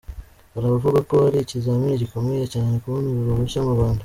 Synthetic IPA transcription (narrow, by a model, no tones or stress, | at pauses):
aɾaβavuβakohaɾicizamiɾeɟikomejecaːnekuβoniβiɾoβuʃamuβaːnda